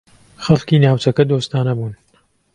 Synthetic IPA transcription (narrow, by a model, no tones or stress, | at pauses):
xɐlkiːnaːwt͡ʃɐkɐd̪oːst̪aːnɐbuːn